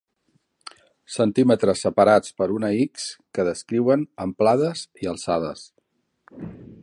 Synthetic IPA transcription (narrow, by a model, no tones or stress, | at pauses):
sənt̪imət̪ɾəsːəpəɾat͡spəɾunəikskəðəskɾiwənəmplaðəziəlˠsaðə̰s